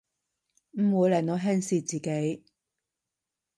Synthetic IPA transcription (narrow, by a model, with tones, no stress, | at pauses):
m̩˨˩wuː˨˧jlɛː˨˩noː˨˧ɦɛː˥ŋsiː˧t͡siː˨ke˨˥j